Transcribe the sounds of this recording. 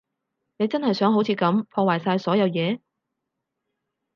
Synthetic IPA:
ne˨˧jt͡sɐ˥nhɐ˨jsœː˨˥ŋɦo˨˥wt͡sʰiː˨˧kɐ˨˥mpʰɔː˧waː˨˩jsaː˧jsɔː˨˥jɐ˨˧wjɛː˨˧

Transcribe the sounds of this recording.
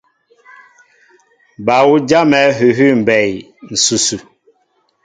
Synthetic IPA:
ba˨wu˦d͡ʒa˦mɛ˨˦ɦʉ˨ɦʉ˦m̩˨bɛ˨j | n̩˨su˨su˨

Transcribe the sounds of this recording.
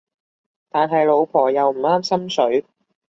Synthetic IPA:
t̪aː˨nɦɐ˨jlo˨˧wpʰɔː˨˩jɐ˨wm̩˨˩aː˥msɐ˥msɵ˨˥ɥ

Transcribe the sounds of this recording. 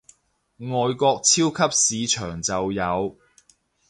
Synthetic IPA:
ŋɔː˨jkɔː˧k̚t͡sʰiː˥wkʰɐ˥p̚siː˨˧t͡ʃʰœː˨˩ŋt͡sɐ˨wjɐ˨˧w

